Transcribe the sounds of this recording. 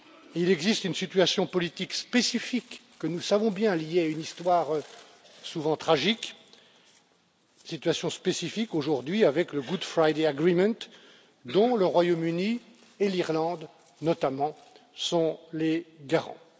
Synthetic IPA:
ilɛɡzist̪ynsit̪ɥasjɔ̃pɔlit̪ikspesifikː | ənusavɔ̃bjɛ̃lijeaynist̪waːʁ | suvɑ̃t̪χaʒik | sit̪ɥasjɔ̃spesifikoʒuʁd̪ɥiavɛkləɡud̪fχajd̪eaɡʁimɑ̃t̪ | d̪ɔ̃ləʁwajomyni | eliʁlɑ̃d̪ | nɔt̪amɑ̃ | sɔ̃leɡaʁɑ̰̃

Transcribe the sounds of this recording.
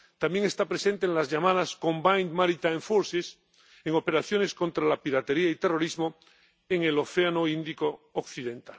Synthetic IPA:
t̪amje̞ŋe̞st̪apɾese̞nt̪eŋlazʝamað̞asko̞mbajnmaɾit̪ajɱfoɾses | eŋo̞pe̞ɾaθjo̞ne̞sko̞nt̪ɾalapiɾat̪e̞ɾiait̪e̞ro̞ɾizmo̞ | eŋelo̞θe̞anoind̪ikoːkθiðẽ̞nt̪al

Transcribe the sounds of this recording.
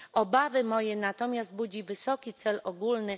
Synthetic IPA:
ɔbavɘmɔjɛnat̪ɔmʲjazd̪̚bud͡ʑivɘsɔkʲit̪sɛlɔɡulnɘ

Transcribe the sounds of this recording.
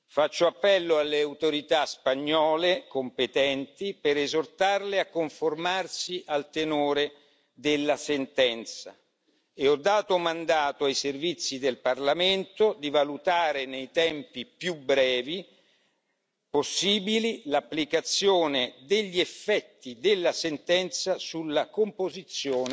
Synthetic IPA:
fat͡ʃːoapːɛlːoalːeawt̪oɾit̪aspaɲːɔːlekompet̪ɛnt̪ipeɾezort̪arleakːoɱformarsiʔalt̪enoːɾe | d̪elːasent̪ɛnt̪sa | eɔd̪ːaːt̪omand̪aːt̪oajservit̪sːid̪elparlament̪od̪ivalut̪aːɾenejt̪ɛmpipjubɾɛːvi | posːiːbililapːlikat̪sːjoːned̪eʎːiefːɛt̪ːid̪elːasent̪ɛnt̪sasulːakompozit̪sːjoːn

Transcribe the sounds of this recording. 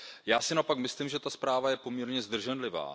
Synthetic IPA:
jaːsɪnaopakmɪslimʒɛt̪aspɾaːvajɛpo̞mɲɛɾɲɛzd̪r̩ʒɛnlɪva̰ː

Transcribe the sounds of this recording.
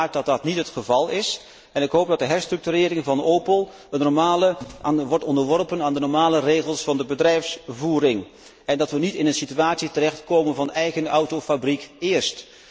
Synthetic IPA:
k̚dɑt̚dɑtnitɦətχəvɑlˠɪs | ɛnɪkɦowp̚dɑt̚dəɦɛɹstrɵk̚tyɾɪːɾɪŋvɑnowpəlˠ | ənːɔɹmaːləʋɔɹtɔndəɹʋɔrpənaːndənɔɹmaːlərejχəlˠsfɑndəbədrɛjfsvuːɾɪŋ | ɛndɑtʋənitɪnənsityaːtsitərɛχtkowmənvɑnɛjɣənʌwtowfabrikɪːɹst

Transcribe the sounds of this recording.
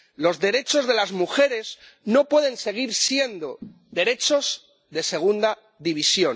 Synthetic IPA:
lo̞zðe̞ɾe̞t͡ʃo̞zðe̞lazmuxe̞ɾe̞z | no̞pwe̞ðe̞nse̞ɣ̞iɾsje̞nd̪o̞ | ðe̞ɾe̞t͡ʃo̞z | ðe̞se̞ɣ̞und̪a | ðiβisjo̞

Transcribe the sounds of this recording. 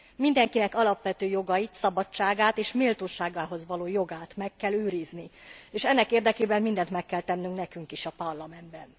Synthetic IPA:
mind̪ɛŋkinɛkɒlɒpʋɛt̪øːjo̞ɡɒjit̪sɒbɒt͡ʃːaːɡaːt̪eːʃmilt̪oːʃaːɡaːɦo̞zʋɒloːjo̞ɡaːt̪mɛkːɛløːɾiznieːʃɛnːɛkeːrd̪ɛkeːbɛmmind̪ɛnt̪mɛkːɛlt̪ɛnːyŋknɛkyŋkiʃɒpɒrlɒmɛnd̪̚bɛn

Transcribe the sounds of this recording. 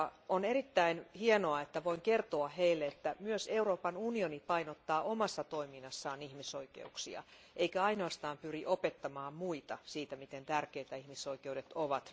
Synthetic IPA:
ɑonerit̪ːæinhienoɑet̪ːæʋoiŋkert̪oɑheilːeet̪ːæmyøseuroːpɑnunionipɑinot̪ːɑːʔomɑsːɑt̪oiminːɑsːɑːnihmisoikḛuksḭɑ̰ | ʔeikæɑinoɑst̪ɑːmpyriʔopet̪ːɑmɑːmmuit̪ɑsiːt̪æmit̪ent̪ærkeit̪æihmisoikeudet̪oʋɑt̪

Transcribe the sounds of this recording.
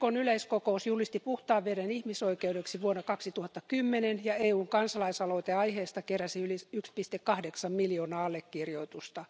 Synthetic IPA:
konyleiskokousjulist̪ipuht̪ɑːʋʋerenihmisoikeudeksiʋuonːɑkɑksit̪uhɑt̪ːɑkymːenenjɑeːuːŋkɑnsɑlɑisɑloit̪eɑiheːst̪ɑkeræsiyliykspist̪ekːɑhdeksɑmmiljoːnɑːɑlːekːirjoit̪ust̪ɑ

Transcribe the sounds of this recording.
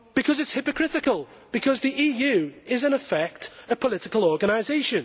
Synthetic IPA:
b̥ɪkʰʌzɪtshɪpəkʰɹ̥ɪtɪkəlˠ | b̥ɪkʰʌzðiʔiːjʉːɪzə̃nəfɛk̚tə̥pʰəlɪtɪkəlˠɔːɡəñaɪzeɪʃə̃n

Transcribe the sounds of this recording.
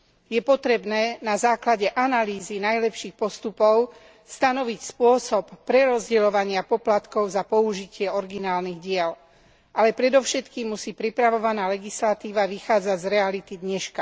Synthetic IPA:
jɛpɔt̪ɾɛbnɛːnazaːklaɟɛʔanaliːzinajlɛpʃiːxpɔst̪upɔʊ | st̪anɔʋicspʊɔsɔpːɾɛɾɔzɟɛlɔʋaɲɪapɔplat̪kɔʊzapɔuʒicɪɛɔɾɡinaːlniɣɟɪɛl | ʔalɛpɾɛd̪ɔʊʃɛt̪kiːmːusiːpɾipɾaʋɔʋanaːlɛɡislat̪iːʋaʋixaːd͡zaɟzɾɛalit̪id̪ɲɛʃka

